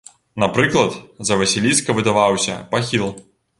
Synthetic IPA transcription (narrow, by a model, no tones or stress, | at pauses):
napɾɨklˠɐt̪zɐvɐsʲilʲiskɐvɨd̪avawsʲɐ̰paxʲilˠ